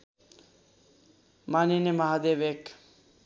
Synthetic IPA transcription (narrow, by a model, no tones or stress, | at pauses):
maninemaɦad̪eʋek